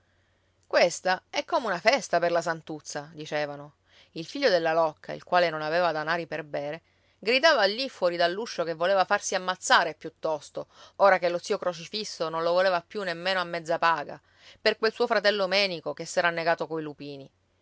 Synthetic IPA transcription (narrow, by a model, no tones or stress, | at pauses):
kwest̪aɛkːomeunafɛst̪aperlasant̪ut̪sːad̪it͡ʃɛːvano | ilfiʎːod̪elːalɔkʰːa̰ḭlkwaːlenonaveːvad̪anaːɾiperbɛːɾe | ɡɾid̪aːvaːlːifːwɔːɾid̪alːuʃːokevːoleːvafarsiamːat̪sːaːɾepjut̪ːɔst̪ooːɾakelːot̪siːokɾot͡ʃifisːonõnlovoleːvapːjunːemːeːnoamːɛd̪zːapaːɡa̰ | perkwelsuːofɾat̪ɛlːomɛːnikokesːɛːɾanːeɡaːt̪okoilupiːni